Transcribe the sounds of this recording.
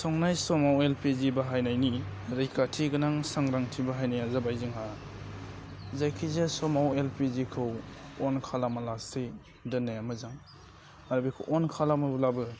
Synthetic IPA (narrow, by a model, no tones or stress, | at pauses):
sɔŋnajsɔmawelpizibaɦajnajniɾajkʰatʰiɡɯnaŋsaŋɾaŋtʰibaɦajnajazabajzɯŋɦa | zajkʰizesɔmawelpizikʰɯwɔnkʰalamalase | dɯnːajamɯzaŋ | aɾbikʰɯwʔɔnkʰalamɯblabɯ